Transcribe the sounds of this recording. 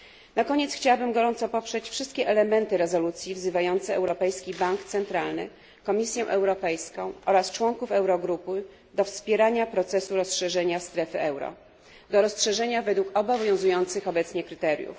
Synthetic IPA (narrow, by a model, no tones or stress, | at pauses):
nakɔɲɛt̪sxt͡ɕawabɘmɡɔɾɔnt̪sɔpɔpʂɛt͡ɕfʂɘst̪̚kʲɛʔɛlɛmɛnt̪ɘɾɛzɔlut̪sʲjivzɘvajɔnt̪sɛʔɛ̰wɾɔpɛjskʲibaŋkt̪sɛnt̪ɾalnɘ̰ | kɔmʲisʲjɛ̃ʔɛwɾɔpɛjskɔ̃w̃ʔɔɾast͡ʂwɔŋkufɛwɾɔɡɾupɘ | d̪ɔfspʲjɛɾaɲapɾɔt̪sɛsuɾɔsʂɛʐɛɲast̪ɾɛfɘʔɛwɾɔ̰ | d̪ɔɾɔsʂɛʐɛɲavɛd̪wukɔbɔvvjɔ̃w̃zujɔnt̪sɘxɔbɛt̪sɲɛkɾɘt̪ɛɾʲjṵf